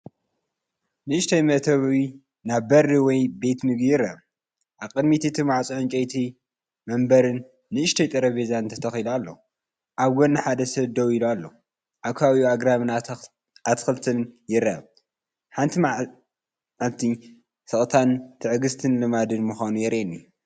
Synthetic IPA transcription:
nɨʔɨʃt̪ʰɐjmɐʔt̪ʰɐβi | naβbɐrːɨwɔjbe̞t̪nɨɡijɪrːɐ̰β | ʔaβkʼɨd̪mit̪ʰit̪ʰɨmaʕt͡sʼuʕɨnt͡ʃʼejt̪ʰi | mɐmbɐɾɨnː | ɨɨʃt̪ʰɐjt̪ʼɐɾɐβezannt̪ʰɐt̪ʰɐxilalːo̰ | ʔaβɡonːɨħad̪ɐsɐβd̪ɐwilualːo | ʔakʰawiuaɡɾaβɨn | at̪xɨlt̪ʰɨnjɪɾːɐ̰β | ħant̪ʰimaʕ | ʕalt̪ʰi | sɨχʼt̪ʰant̪ʰɨʕɨɡɨst̪ʰɨnlɨmad̪ɨnmɨxʷanujɛɾʔenːi

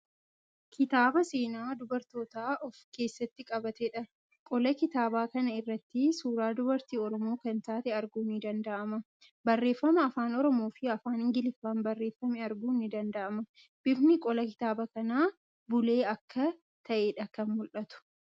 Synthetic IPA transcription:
kʰɪt̪aːbɐse̞ːnaːd̪ʊbɐɾt̪o̞ːt̪aːʔɔfke̞ːsːɐt̪ːɪkʼɐbɐt̪ɛᶑɐ | kʼɔlɐkɪt̪aːbaːkɐnɐɪrːɐt̪ːɪsuːɾaːd̪ʊbɐɾt̪iːɔɾɔmo̞ːkɐnt̪aːt̪ɛɐɾɡuːnɪd̪ɐnd̪ɐʔɐmɐ | bɐrːe̞ːfːɐmɐːfaːnɔɾɔmo̞ːfɪɐfaːnɪŋɡɪlɪfːaːnbɐrːe̞ːfːɐmɪɐɾɡuːnɪd̪ɐnd̪ɐʔɐmɐ | b̥ɪbnɪkʼɔlɐkɪ̥t̪aːbɐkɐnaː | bʊle̞ːɐkːɐ | t̪ʰɐʔeːᶑɐkɐnmʊlʔɐt̪ʊ̥

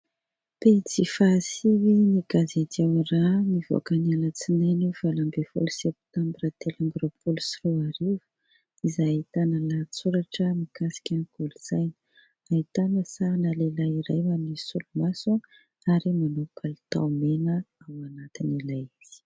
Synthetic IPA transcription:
pet͡sifasiwiniɡazat̪iawranivo̰akənialət͡sinajnuv̥alambefṵlusɛp̚t̪ambɾət̪elamɡropʰulusroaɾivu̥ | izait̪anəlat͡suɾaʈ͡ʂəmikasi̥kʲaniɡuluz̥ajnə | ait̪anəsanalelaiɾajmanisulumasu | aɾimanukalit̪a̰menəawanat̪inilajiz̥i̥

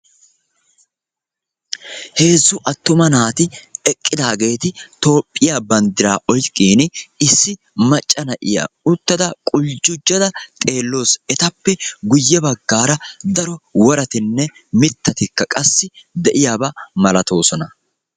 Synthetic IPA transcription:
he̞ːzːʊʔɐt̪ːʊmɐnaːt̪ɪɛkʼːɪd̪aːɡe̞ːt̪ɪt̪o̞ːpʼːɪjabɐnd̪ɪɾaːʔɔjkʼːiːnɪɪsːɪ | mɐt͡ʃʼːɐnɐʔɪja̰ʊt̪ːɐd̪ɐkʼʊld͡ʒʊd͡ʒːɐd̪ɐt̪ʼe̞ːlːo̞ːsɛt̪ɐpːɛɡʊjːɛbɐɡːaːɾɐd̪ɐɾɔwɔɾɐt̪ɪnːɛ | mɪt̪ːɐt̪ɪkːɐkʼɐsːɪd̪ɛʔɪjaːbɐmɐlɐt̪o̞ːsɔnɐ

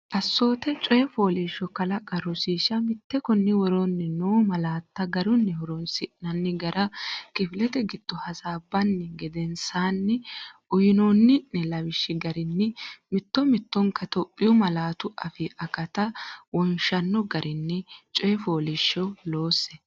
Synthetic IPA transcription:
ʔɐsːo̞ːt̪ɛt͡ʃʼɔjɛfoːliʃːɔkɐlɐɡɐɾʊsiːʃɐmɪt̪ːɛkʊnːɪwɔɾonːɪnoːmɐlaːt̪ːɐɡɐɾʊnːɛhɔɾɔnsɪʔnɐnːɪɡɐɾʔɐkɪfɪlɛt̪ɛɡɪd̪̥ːɔhɐsaːbːɐnːɪɡɛd̪ɛnsaːnːɪʔʊjɪnoːnːɪnɛlɐwɪʃːɪɡɐɾɪnːɪmɪt̪ːɔmɪt̪ːɔŋkɐt̪ɔpʼːɪjʊmɐlaːt̪ʊɐfɪʔɐkɐt̪ɐwɔnʃɐnːɔɡɐɾʔɪnːɛt͡ʃʼɔjɛfo̞ːlɪʃːɔlo̞ːsːɛ

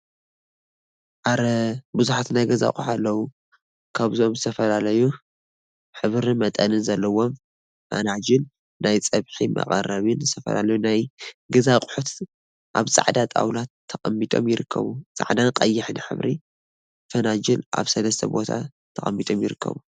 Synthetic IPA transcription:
ʔaɾɐbuzuħat̪najɡɐza̰kʼuħalːɐwu | kʰaβziomzɨt̪ʰɐfɐlalɐju | ħɨβɾimɐt̪ʼɐnɨnzɐlːɐwo̞m | fɐ̰nad͡ʒɪl | najt͡sʼɐβħimɐ̰qʼɐrɐβɨnzɨt̪ʰɐfɐ̰la̰lɐjunajɡɐzaqʼʊ̥ħut̪ | ʔaβt͡sʼa̰ʕd̪at̪ʼa̰wlat̪ʰːɐkʼɐmːit̪ʼo̞̰mjɪɾɨkʰːɐ̰βut͡sʼa̰ʕd̪anqʼɐjːɪħnħɨ̰βɾʔi | fɐnad͡ʒɪlʔa̰βsɐlɐst̪ʰɐbo̞t̪ʰa̰ | t̪ʰɐxʼɐmːit̪ʼo̞mjɪɾɨkʰːɐ̰βu

